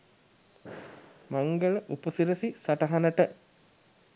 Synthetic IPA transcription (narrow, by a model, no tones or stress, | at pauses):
maŋɡələʔupəsiɾəsisaʈɐɦanəʈə